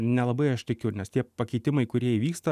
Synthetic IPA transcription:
nʲɛlˠɐbɐɪɐʃt̪ʲɪkʲʊnʲɛst̪ʲiɛpɐkʲɛɪt̪ʲɪmɐɪkʊɾʲiɛiʋʲiːkst̪ɐ

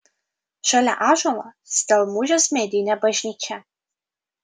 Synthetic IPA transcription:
ʃʷɐlɐ̰ʔaːʒʷɐwɐ | sdɐlmuʒɐsmeːdijnɐbɐʒniːkʲʰɐ

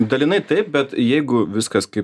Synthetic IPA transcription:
d̪ɐlʲinɐɪt̪ɐɪp̚bʲɛt̪jɛɪɡʊʋʲɪskɐskɐɪp

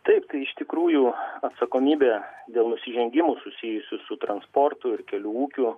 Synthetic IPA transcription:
t̪ɐɪpt̪ɐɪɪʃt̪ʲɪkɾuːjuːɐt̪sɐkoːmʲiːbʲed̪ʲeːlˠnʊsʲɪʒʲɛŋʲɡʲɪmʊsʊsʲijʊsʲʊsʊt̪ɾɐnspoːrt̪ʊɪɾkʲɛlʲuːuːkʲʊ

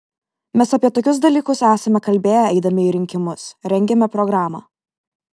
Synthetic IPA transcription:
mʲɛsɐpʲiɛt̪oːkʲʊs̬d̪ɐlʲiːkʊsæːsɐmʲɛkɐlʲbʲeːjɛɛɪd̪ɐmʲɪiːɾʲɪŋʲkʲɪmʊsɾʲɛŋʲɡʲɛmʲɛpɾɔɡɾɑːmɑ̰ː

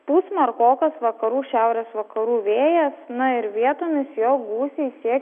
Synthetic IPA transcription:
puːsʲmɐrkoːkɐsʋɐkɐɾuːʃʲæʊɾʲeːsʋɐkɐɾuːʋʲeːjɛsnʊɪɾʋʲiɛt̪oːmʲɪsjoːɡuːsʲesʲiɛk

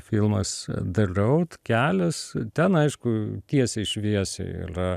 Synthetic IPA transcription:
fʲɪlˠmɐsd̪ɐrɐʊt̪kʲæːlʲɛst̪ʲɛnɐɪʃkʊt̪ʲiɛsʲɛɪʃʲʋʲiɛsʲɛ̰ɪ̰rɐ

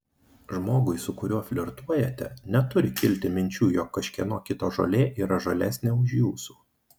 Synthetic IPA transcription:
ʒmoːɡʊɪsʊkʊɾʲuɔfʲlʲɪɾt̪uɔjɛt̪ʲɛnʲɛt̪ʊɾʲɪkʲɪlʲt̪ʲɪmʲɪnʲt͡ʃʲuːjoːkːɐʃʲkʲiɛnoːkʲɪt̪oːʒo̰ːlʲeːʔiːɾɐʒolʲæːsʲnʲeːʊʃjuːsu̥ː

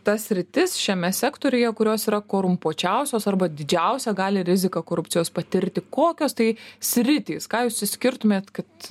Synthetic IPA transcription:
t̪ɐsʲɾʲɪt̪ʲɪsʃʲɛmʲɛsʲæːkt̪oːɾʲʊjɛkʊɾʲoːsiːɾɐkoːɾʊmpoːt͡ʃʲɛʊsʲoːsɐrbɐd̪ʲɪd͡ʒʲɛʊsʲɛɡɑːlʲɪɾʲɪzʲɪkɐkoːɾʊpʲt͡ssʲɪjoːspɐt̪ʲɪɾʲt̪ʲɪkoːkʲoːst̪ɐɪsʲɾʲɪt̪ʲiːskɑːjuːssʲɪsʲkʲɪɾt̪ʊmʲeːt̪kɐt̪

